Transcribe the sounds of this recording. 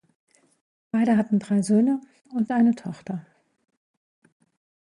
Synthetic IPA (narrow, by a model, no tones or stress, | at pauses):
b̥aɪɾəɦatn̩dʁaɪzøːnə | ʊntʔaɪnətʰɔχtɐ